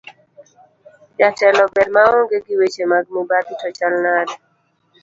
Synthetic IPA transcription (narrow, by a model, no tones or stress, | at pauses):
d͡ʒatɛlɔbedmaɔŋɡeɡiwet͡ʃemaɡ̚mubaditɔt͡ʃalnad